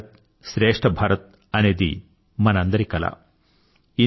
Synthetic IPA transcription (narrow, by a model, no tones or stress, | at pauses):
t̪̚ | ʃɾeːʂʈʰɐbʱɐɾɐt̪̚ | ɐneːd̪ḭ | mɐnɐnd̪ɐɾikɐla̰ | i